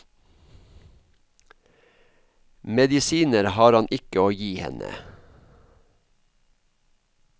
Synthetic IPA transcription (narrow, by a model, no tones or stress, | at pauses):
mɛd̪ɪsiːnəɾhɑːɾɑnʔɪkəoːjiːhɛ̰nə̰